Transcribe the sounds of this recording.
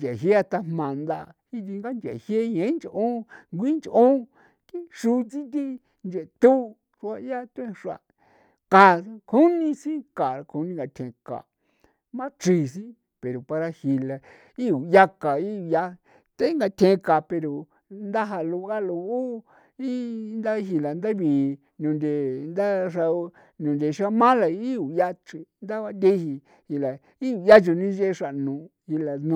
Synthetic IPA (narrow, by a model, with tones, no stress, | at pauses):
d͡ʒe˨ɦe˦a˧t̪a˧mmã˨nd̪a˧hi˦t̪̬i˧ŋɡa˦nd͡ʒḛ˨hje˦ɲẽ˨˦nd͡ʒʔõ˦ŋɡʷi˦nd͡ʒʔõ˦ | ki˦ʂu˧t͡si˦t̪̬i˧ | nd͡ʒe˨t̪u˦ | ʂu˧a˧ja˦t̪ẽ˦˧ʂa̰˧˨ | ka˨˧kʰu˦nĩ˧sĩ˦ka˨ɾa˧kʰu˧nĩ˧ŋɡa˧t̪ʰẽ˧ka̰˨ | mã˦t͡ʃi˧s̬ĩ˦ | pe˨ɾo˨pa˧ɾa˧hi˧la˧ | i˦u˨ja˦ka˨i˦u˧˨ja˦ | t̪a˦i˦ŋɡa˧t̪ʰẽ˧ka˨pe˧ɾo˨ | nd̪a˦ɦa˧lu˧˦a˦lu˧u˦ | i˦nd̪a˦ɦi˧la˨nd̪a˦βi˨ | nũ˨˧nd̪e˨nd̪a˦ʂa˧o˧ | nũ˨nd̪e˨ʃa˦mã˦la˧˦i˦u˨ja˦t͡ʃi˧nd̪a˦βa˧nd̪e˦hi˧ | hi˧la˨ | i˦u˨ja˦t͡ʃu˧nĩ˦ʒe˦˧ʂa˧˨nũ˨˧hi˧la˧nũ˧